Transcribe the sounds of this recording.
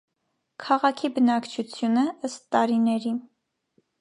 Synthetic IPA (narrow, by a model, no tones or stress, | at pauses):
kʰɑʁɑkʰibənɑkt͡ʃʰut͡sʰjunəəst̪ːɑɾinɛɾi